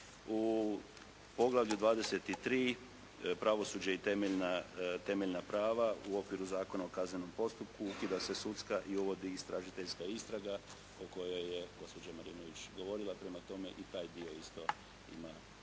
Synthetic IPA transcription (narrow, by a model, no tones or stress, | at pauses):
u | po̞ɡlˠaʋʎud̪ʋaːd̪e̞se̞t̪it̪ɾiː | pɾaʋo̞suːd͡ʑait̪e̞meʎnat̪e̞meʎnapɾaːʋauo̞kʋiɾuzaːko̞nao̞kazneno̞mpo̞st̪up̚kuukid̪ase̞sut̪skaʔiuʋo̞d̪iːst̪ɾaʒit̪e̞ʎʲskaist̪ɾaɡa | oko̞jojːe̞ɡo̞spo̞d͡ʑamaɾiːno̞ʋit͡ʃɡo̞ʋo̞ɾilˠapɾe̞mat̪o̞me̞ʔit̪aːjd̪io̞ist̪o̞ | ḭma